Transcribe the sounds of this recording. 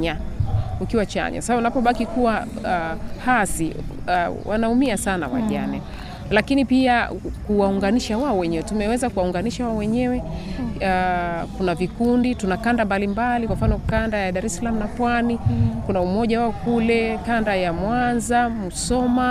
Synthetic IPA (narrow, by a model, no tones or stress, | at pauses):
ɲaukiwat͡ʃa̰ɲa̰saaunapɔɓakikuwa | hasi | wa̰naumiasana̰wa̰ʄa̰nɛ | lakinipiakuwauŋɡaniʃawaɔwɛɲɛwɛtumɛwɛzakuwauŋɡaniʃawaɔwɛɲɛwɛakunavikunditunakandambalimbalikwam̩fanɔkandajaɗaɾɛsalamunapwanikunaumɔʄawaɔkulɛkandajamwanzamusɔma